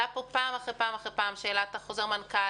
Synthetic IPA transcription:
apopaːmaχʁepaːmaχepaːmʃeːlat̪aχozeʁmanka

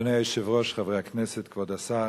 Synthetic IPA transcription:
neɪɛɪʃɪvʁɔʃχavʁeaknɛsɛtkvɔdasa

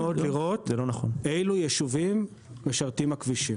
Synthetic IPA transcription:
od̪liʁo̞t̪zelonaχonejlujeʃuvim | veʃaʁt̪imakviʃim

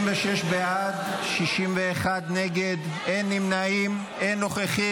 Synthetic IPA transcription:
mveʃeʃbead̪ʃiʃimveːχad̪neɡed̪ | enːimnaim | enːoχeχi

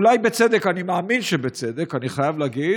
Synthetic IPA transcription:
lajbet͡sed̪ekanimaːminʃebet͡sed̪ekaniχajavlaɡi

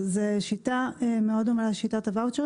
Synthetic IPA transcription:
zeʃit̪ameodomalaʃitat̪avaut̪ʃe

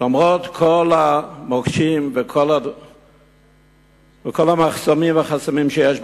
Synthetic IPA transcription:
lomʁot̪kʰolamokʃimvekʰola | vekolamaχsomimvaχasamimʃejeʃ

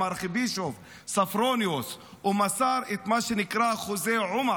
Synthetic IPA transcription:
aɾxɪbiːʃof | safɾoːnjos | ʊmasaːɾɪt̪maʃɪnɪkɾaxʊzeːʕʊm

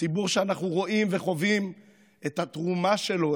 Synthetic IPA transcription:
ibuʁʃeanaχnuʁo̞ʔimveχo̞vim | et̪hat̪ʁumaʃe̞lo̞

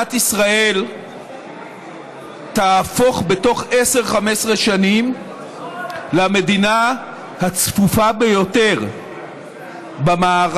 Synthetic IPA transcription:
atisʁae̞l | taːfo̞χbe̞to̞χese̞ʁχamesʁeʃanim | lame̞dina | hat͡sfufabe̞jo̞te̞ʁ | bamaːʁ

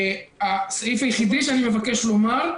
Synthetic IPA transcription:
asaifajeχid̪iʃeanime̞vake̞ʃlo̞maʁ

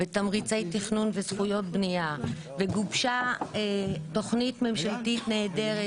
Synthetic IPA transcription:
vetamʁit͡sejtiχnunvesχujo̞t̚bnija | veɡubʃaeto̞χnitme̞mʃaltitne̞ːde̞ʁe

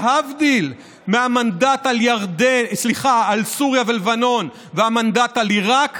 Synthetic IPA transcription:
havd̪il | meamandat̪aljaʁd̪esliχaalsuʁjavelevano̞n | veamand̪at̪aliʁak

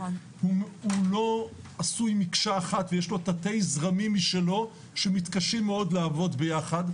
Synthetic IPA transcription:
huhulo̞ | asujmikʃaːχat̪vejeʃlo̞tate̞jzʁamimːiʃelo̞ | ʃemit̪kaʃimːeo̞d̪leavo̞dbe̞jaχad

